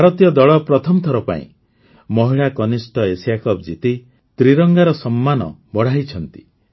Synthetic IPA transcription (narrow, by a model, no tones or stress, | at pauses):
bʱaɾɔt̪ijɔd̪ɔɭɔpɾɔt̪ʰɔmɔt̪ʰɔɾɔpa̰ḭ̃ | mɔɦiɭakɔnisʈɔesiakɔbd͡ʒit̪i | t̪ɾiɾɔŋɡaɾɔsɔmːanɔ̰bɔɽ̤ajt͡ʃʰɔnt̪i̥